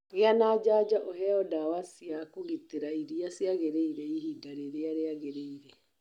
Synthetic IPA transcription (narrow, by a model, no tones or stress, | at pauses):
ɣeanaːd͡ʒaːd͡ʒaʔoɦɛɔdawasjakoɣit̪eɾaiɾiasjaɣeɾeiɾɛihidaɾeɾeaɾeaɣeɾeiɾɛ